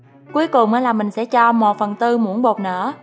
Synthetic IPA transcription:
ku˨˦əjkʊ˨˩ŋ͡mʔəː˨˦laː˨˩mï˨˩ŋ̟sɛ̰˧˥t͡ɕɔ˧mo˨˩t̚fə˨˩nt̪ɨ˧mu˧˥ənɓo˨˩t̚nə̰ː˧˥

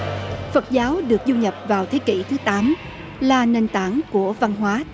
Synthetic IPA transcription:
fə˨˩t̚zaː˨˦wɗɨ˨˩ək̚zu˧ɲə˨˩p̚vaː˨˩wt̪ʰe˨˦kḭ˧˩t̪ʰɨ˨˦t̪aː˨˦m | laː˨˩ne˧˩nt̪aː˧˩nku˧˩əva˧nɦwaː˨˦

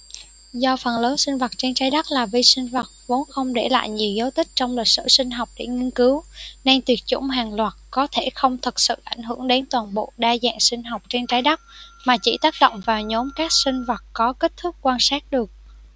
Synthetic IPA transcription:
zɔ˧fə˨˩nləː˨˦nsï˧ŋ̟və˨˩t̚t͡ɕe˧nt͡ɕaː˨˦jɗa˦˥k͡p̚laː˨˩vi˧sï˧ŋ̟və˨˩t̚vo˨˦nxə˧wŋ͡mɗḛ˧˩la̰ː˧˨jɲi˨˩əwzə˨˦wt̪ʰï˦˥k̟̚t͡ɕɔ˧wŋ͡mli˨˩k̚sɨ̰˧˩sï˧ŋ̟ɦa˨˩wk͡p̚ɗḛ˧˩ŋi˧ənkɨ˨˦wna˧nt̪wi˨˩ət̚t͡ɕʊ̰˧˩ŋ͡mɦaː˨˩ŋlwaː˨˩t̚kɔ˨˦t̪ʰe˧˩xə˧wŋ͡mt̪ʰɨ˨˩k̚sɨ̰˧˨ʔa˧˩jŋ̟ɦɨ˧˩əŋɗe˨˦nt̪waː˨˩nɓo̰˧˨ɗaː˧za̰ː˧˨ŋsï˧ŋ̟ɦa˨˩wk͡p̚t͡ɕe˧nt͡ɕaː˨˦jɗa˦˥k͡p̚maː˨˩t͡ɕḭ˧˩t̪aː˦˥k̚ɗo̰˧˨wŋ͡mvaː˨˩wɲo˨˦mkaː˦˥k̚sï˧ŋ̟və˨˩t̚kɔ˨˦ke˦˥t̚t̪ʰʊ˦˥k̚kwaː˧nsaː˦˥t̚ɗɨ˨˩ək̚

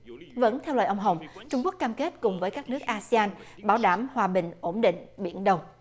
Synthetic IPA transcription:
və̰˧˥nt̪ʰɛ˧wlə̰ː˨˩ʔə˧wŋ͡mɦə˨˩wŋ͡mt͡ɕʊ˧ŋ͡mku˦˥ək̚kaː˧mke˦˥t̚kʊ˨˩ŋ͡mvəː˨˦jkaː˦˥k̚nɨ˦˥ək̚ʔaː˧si˧aː˧nɓaː˧˩˦wɗaː˧˩mhwaː˨˩ɓï˨˩ŋ̟ʔo˧˥nɗḭ˧˨ŋ̟ɓḭ˧˩ənɗə˧wŋ͡m

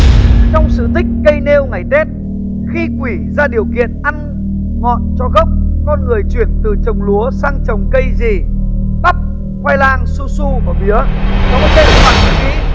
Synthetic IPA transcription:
t͡ɕɔ˧wŋ͡msɨ̰˧˨t̪ʰï˦˥k̟̚kə˧jne˧wŋa˨˩jt̪e˦˥t̚ | xi˧kwi˧˩zaː˧ɗi˨˩əwkḭ˧˨ənʔa˧n | ŋɔ̰˧˨nt͡ɕɔ˧ɣə˦˥wk͡p̚kɔ˧nŋɨ˨˩əjt͡ɕwi˧˩ənt̪ɨ˨˩t͡ɕə˨˩wŋ͡mlu˨˦əsaː˧ŋt͡ɕə˨˩wŋ͡mkə˧jzi˨˩ɓa˦˥p̚ | kwa˧jlaː˧ŋsu˧su˧vaː˨˩ɓi˨˦ənɔ˨˦ɔ˦t̪ʰe˧˩xwaː˧˩zɨ̰˨˩kḭ˧˥

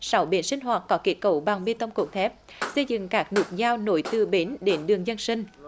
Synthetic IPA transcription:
sa˨˦wɓḭ˨˧˦ənsï˧ŋ̟ɦwaː˨˩t̚kɔ˨˦ki˦˥t̚kə̰˧˩wɓa˨˩ŋɓi˧t̪ə˧wŋ͡mku˨˩k̚t̪ʰɛ˦˥p̚ | sə˧jzɨ̰˧˨ŋkaː˦˥k̚nu˨˩t̚zaː˧wno̰˧˦jt̪ɨ˧ɓe˨˦nɗe˨˦nɗɨ˨˩əŋzə˧nsï˧ŋ̟

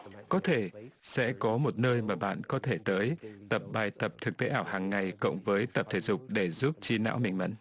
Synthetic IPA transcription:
kɔ˨˦t̪ʰe˧˩sɛ̰˧˥kɔ˨˦mo˨˩t̚nəː˧jmaː˨˩ɓa̰ː˧˨nkɔ˨˦t̪ʰe˧˩t̪əː˨˦jt̪ə˨˩p̚ɓaː˨˩jt̪ə˨˩p̚t̪ʰɨ˨˩k̚t̪ḛ˧˦ʔaː˧˩whaː˨˩ŋːa˨˩jkʊ̰˧˨wŋ͡mvəː˨˦jt̪ə˨˩p̚t̪ʰe˧˩zʊ˨˩k͡p̚ɗe˧˩zu˦˥p̚t͡ɕi˧na̰ː˧˥wmï˨˩ŋmə̰˨˦n

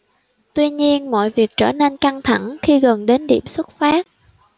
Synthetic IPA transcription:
t̪wi˧ɲi˧ənmɔ̰˧˨jvi˨˩ək̚t͡ɕəː˧˩ne˧nka˧ŋt̪ʰa˧˩ŋxi˧ɣə˨˩nɗe˨˦nɗḭ˧˩əmswə˦˥t̚faː˦˥t̚

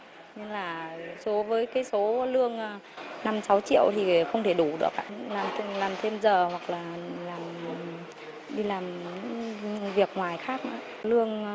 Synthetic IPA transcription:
ɲɨ˧ŋlaː˨˩so˨˦vəː˨˦jkaː˨˦jso˨˦lɨ˧əŋː˧ | na˧msa˨˦wt͡ɕḭ˧˨əwt̪ʰi˨˩xə˧wŋ͡mt̪ʰe˧˩ɗu˧˩ɗɨ̰˨˩ək̚ʔaː˧˨laː˨˩mt̪ʰlaː˨˩mt̪ʰe˧mzəː˨˩hwa˨˩k̚laː˨˩laː˨˩m | ɗi˧laː˨˩mɲɲɨ̰˧˥ŋvi˨˩ək̚ŋwaː˨˩jxaː˦˥k̚ma̰ː˨˦ | lɨ˧əŋ

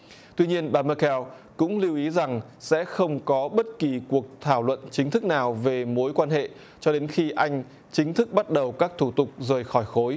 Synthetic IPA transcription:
t̪wi˧ɲi˧ənɓaː˨˧˩mə˧kɛ˧w | kʊ̰˧˥ŋ͡mli˧əwʔi˨˦za˨˩ŋ | sɛ̰˧˥xə˧wŋ͡mkɔ˨˦ɓə˦˥t̚ki˨˩ku˨˩ək̚t̪ʰaː˧˩wlwə̰˧˨nt͡ɕï˨˦ŋ̟t̪ʰɨ˦˥k̚naː˨˩wve˨˩mo˨˦jkwaː˧nhḛ˧˨ | t͡ɕɔ˧ɗe˨˦nxi˧ʔa˧jŋ̟ | t͡ɕï˨˦ŋ̟t̪ʰɨ˦˥k̚ɓa˦˥t̚ɗə˨˩wkaː˦˥k̚t̪ʰu˧˩t̪ʊ˨˩k͡p̚zəː˨˩jxɔ˧˩jxo˨˦j

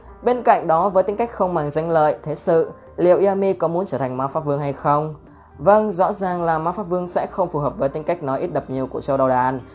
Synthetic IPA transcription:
ɓe˧nka̰˧˨ŋɗɔ˨˦vəː˨˦jt̪i˨˦ŋka˦˥jk̟̚xə˧wŋ͡mmaː˨˩ŋza˧jŋ̟lə̰ː˧˨jt̪ʰe˨˦sɨ̰˧˨ | lḭ˧˨əwʔi˧aː˧mi˧kɔ˨˦mu˨˦ənt͡ɕəː˧˩t̪ʰa˨˩ŋ̟maː˧˥wfaː˦˥p̚vɨ˧əŋɦa˧jxə˧wŋ͡m | və˧nzɔ̰˧˥zaː˨˩ŋlaː˨˩maː˨˥wfaː˦˥p̚vɨ˧əŋsɛ̰˧˥xə˧wŋ͡mfu˨˩ɦəː˨˩p̚vəː˨˦jt̪ï˨˦ŋka˦˥jk̟̚nɔ˨˦jʔi˦˥t̚ɗə˨˩p̚ɲi˨˩əwku˧˩əsə˧wɗə˨˩wɗaː˨˩˦n

